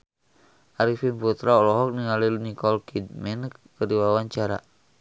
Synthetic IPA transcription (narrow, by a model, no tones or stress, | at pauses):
ʔaɾifinput̪ɾaɔlɔɦɔk̚niŋalilnikɔlkidmɛnkkərdiwawaɲt͡ʃaɾa̰